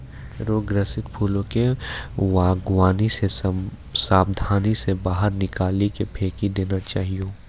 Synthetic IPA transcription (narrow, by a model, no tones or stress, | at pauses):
ɾoːɡɾəsɪt̪pʰuːlõkeʋaːɡʋaːnise | saːbd̪ʱaːnisebaːɦəɾnɪkaːlikepʰeːkid̪eːnat͡ʃaːɦiõː